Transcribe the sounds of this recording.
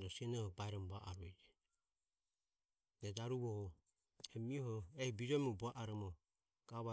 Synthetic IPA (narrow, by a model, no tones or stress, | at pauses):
dɔsiɛnɔhɔbaɛɾɔmbaʔaɾuɛd͡ʒɛ | dɛdaɾuβɔhɔ | ɛmiɔhɔɛhibid͡ʒɔmibuaʔaɾɔmɔ | ɡ̥aβa